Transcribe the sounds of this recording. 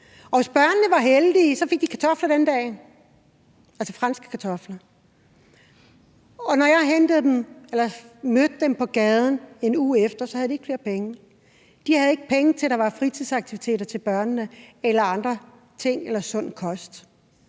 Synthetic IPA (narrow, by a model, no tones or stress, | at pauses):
ɒ̽ʋe̝sb̥ɶɐnnəʋɑ̈ɦeld̥iːsɒ̽fe̝ɡ̥̚d̥i̥kʰæt͡sʰɒ̽flɐd̥end̥ɛ̰ː | ælsɐfʁɑ̈nsɡ̥ə̥kʰæt͡sʰɒ̽flɐ | ɒ̽nɒjɑ̈ɪɦend̥ð̞̩ˠd̥emelɐmød̥̚dempʰɒ̽ɡ̥ɛːð̞ˠn̩e̝nuːefd̥ɐsɒ̽hæðˠdieɡ̥fle̝ːɐpeŋə | d̥ihæð̞̩ˠe̝ɡ̥ə̥pʰeŋət͡sʰe̝ld̥ɑ̈ʋɑ̈fʁit͡sʰið̰ˠsɑ̈ɡ̥̚t͡sʰiʋit͡sʰe̝̰ːɾɐt͡sʰe̝lb̥ɶɐnənəelɐɑ̈nd̥ʁɐ | t͡sʰe̝ŋ̰elɐsɔ̽n̰kʰɒ̽sd̥